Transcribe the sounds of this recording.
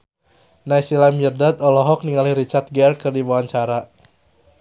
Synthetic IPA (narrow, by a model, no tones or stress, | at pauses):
najsilamərdat̪ɔlɔɦɔk̚niŋalihɾit͡ʃart̪̚ɡɛrkɨrdiwawaɲt͡ʃaɾa